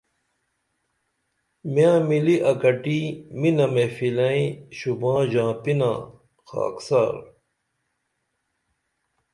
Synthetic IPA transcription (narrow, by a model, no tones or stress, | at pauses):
mjãːmiliʔɐkɐʈiminɐmefilɐ̃ĩɕubãːʑãːpinã̰ː | xa̰ːksa̰ːɾ